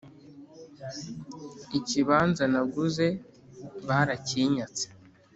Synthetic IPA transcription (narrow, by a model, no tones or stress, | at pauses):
iciβaːnzanaɡuze̞ | βaːɾaciːɲat͡se̥